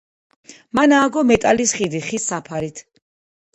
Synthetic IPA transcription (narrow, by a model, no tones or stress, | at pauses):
manaːɡɔmɛt̪ʼalisχid̪iχisːapʰaɾit̪ʰ